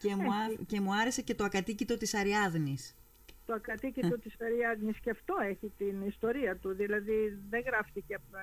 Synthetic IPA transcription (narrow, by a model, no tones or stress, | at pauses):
cemɐce̞muɐɾe̞se̞ce̞t̪o̞ɐkɐt̪icit̪o̞t̪isɐɾiɐðnis | t̪oɐkɐt̪icit̪o̞t̪isɐɾiɐðniscɐft̪o̞eçit̪inist̪o̞ɾiɐt̪uðilɐðiðeŋɣɾɐfθiceɐp